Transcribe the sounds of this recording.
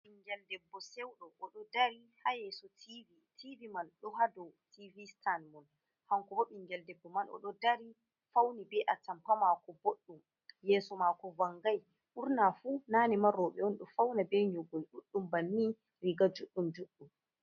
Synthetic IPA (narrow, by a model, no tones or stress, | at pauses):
iŋɡɛldɛbːɔsɛwɗɔʔɔɗɔdaɾihajɛːsɔtʰivitʰivimanɗɔɦadɔwtivistanmɔn | haŋkɔbɔɓiŋɡɛldɛbːɔmanɔ̰ɗɔdaɾi | fawnibɛʔatampamakɔboɗːum | jɛːsɔmakɔwaŋɡaj | ʔuɾnafunanimaɾɔɓɛɔnɗɔfawnabɛɲɔɡɔjɗuɗːumbanːi | ɾiɡad͡ʒuɗːumd͡ʒuɗːum